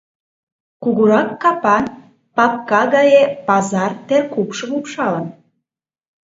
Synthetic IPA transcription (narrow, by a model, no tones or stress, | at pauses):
kuɣuɾɑkːɑpɑn | pɑp̚kɑɣɑjepɑzɑrt̪erkupʃəmupʃɑlən